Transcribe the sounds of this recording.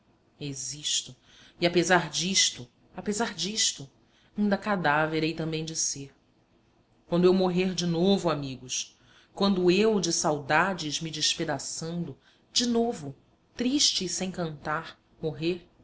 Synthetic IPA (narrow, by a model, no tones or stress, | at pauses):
eziʃt̪ʊ | iapezaɾd͡ʒiʃt̪ʊ | apezaɾd͡ʒiʃt̪ʊ | ĩnd̪ɐakad̪aveɾejt̪ɐ̃mbẽj̃d͡ʒɪseɾ | kwɐ̃nd̪ʊewmoɦeɾd͡ʒɪnovʊamiɡʊs | kwɐ̃nd̪ʊewd͡ʒɪsawd̪ad͡ʒɪzmid͡ʒɪʃped̪asɐ̃nd̪ʊ | d͡ʒɪnovʊ | t̪ɾiʃt͡ʃɪsẽj̃kɐ̃nt̪aɾ | moɦeɾ